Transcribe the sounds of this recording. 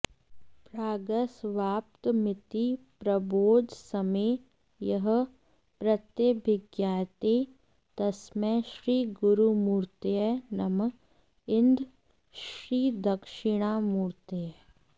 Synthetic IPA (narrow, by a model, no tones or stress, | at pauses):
pɾaːɡəsʋaːp̚t̪mɪt̪ipɾɐboːd͡ʒsɐmeː | jɐɦ̆ | pɾɐt̪jəbʱɪɡjaːt̪eː | t̪ɐsmɛ̃ʃɾiːɡʊɾumuːɾt̪eɛnɐm | ɪnd̪ | ʃɾiːd̪ɐkʃɪɽ̃aːmuːɾt̪ee